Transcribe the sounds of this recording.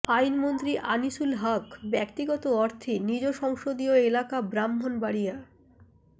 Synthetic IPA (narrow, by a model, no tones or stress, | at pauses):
ajnmont̪ɾiʔaniʃulɦakbɛkt̪iɡɔt̪oɔɾt̪ʰinid͡ʑoʃɔŋʃod̪ioelakabɾamɦonbaɽija